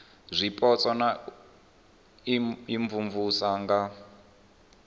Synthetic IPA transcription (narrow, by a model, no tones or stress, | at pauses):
zʷipʼɔt͡sʼɔna | iɱvuɱvusaŋɡa